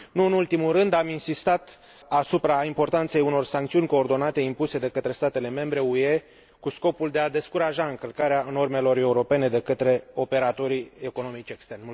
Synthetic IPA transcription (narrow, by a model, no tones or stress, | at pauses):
nuɨnult̪imulrɨnd̪aminsist̪at̪ | asupɾaimpo̞rt̪ant̪se̞juno̞rsaŋk̚t̪siunʲko̞ːrd̪o̞nat̪e̞impuse̞d̪e̞kət̪ɾe̞st̪at̪e̞le̞me̞mbɾe̞ue̞ | kusko̞puld̪e̞ad̪e̞skuɾaʒaɨŋkəlkaɾeano̞rme̞lo̞re̞uɾo̞pe̞ne̞d̪e̞kət̪ɾe̞o̞pe̞ɾat̪o̞ɾieko̞no̞mit͡ʃe̞kst̪ernm